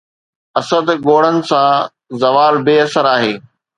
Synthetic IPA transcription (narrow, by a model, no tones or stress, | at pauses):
ɐsəd̪ɡoːɽənɪ̆sã | zɐʋaːlbeːɐsəɾaːɦeː